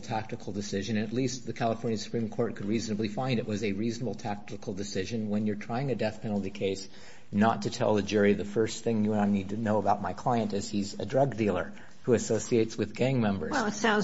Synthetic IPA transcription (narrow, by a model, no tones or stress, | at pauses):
tʰæk̚tɨkʰl̩ˠdɨsɪʒɨ̃nɨ̃ɨtˡlistðɨkʰælˠəfɔɹnjɨnsɨ̥pʰɹ̥ĩmkʰɔɹt̚kʰɨd̚ɹiznɨblifãɪ̃ndɨʔwʌzɨɹiznəbl̩ˠtʰæk̚tɨkl̩ˠdɨsɪʒɨ̃nwə̃njə˞tʰɹ̥aɪɪ̃ŋɨdɛθpʰɛ̃nl̩ˠtikʰeɪs | nətʰɨtʰɛ̰lˠðɨd͡ʒʊɹiðɨfɜ˞sθɪ̃ŋjɨə̃naɪnid̚tʰɨnoʊəbaʊt̚maɪkʰl̥aɪɨ̃ntɨz̥izɨ̰dɹʌɡdilˠə̰˞ | huɨsoʊsieɪtswɨðɡæ̃ŋmɛ̃mbə̰˞zˠətsãʊ̃n